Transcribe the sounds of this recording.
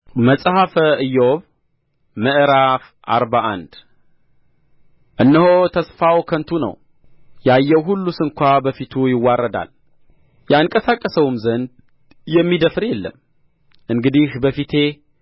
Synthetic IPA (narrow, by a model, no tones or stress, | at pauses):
məsʼhafəɨjːoβ | məʔɾaf | ʔa̰ɾbaʔa̰nd̪̥ | ʔɨnːəhot̪ʰəsfawkʰənt̪ʰunə̰w | jɛajːɛwɦulːusɨŋkʷabəfit̪ʰujɪwːarːəd̪a̰l | jɛaŋkʼəsakʼːəsəwmzənd̪ | jɛmːid̪əfɾjɛlːə̰m | ʔɨŋɡɨd̪ihbəfit̪ʰe